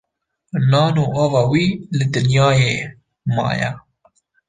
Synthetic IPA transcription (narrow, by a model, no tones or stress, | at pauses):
nɑːnuːʔɑːvɑːwiːlɪd̪ɨnjɑːjeː | mɑ̰ːjɛ̰